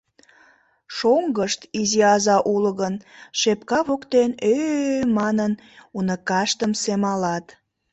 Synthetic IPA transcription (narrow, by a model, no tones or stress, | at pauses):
ʃoŋɡəʃt̪iziɑzɑʔuləɣənʃepkɑβokt̪enømɑnən | unəkɑʃt̪əmsemɑlɑt̪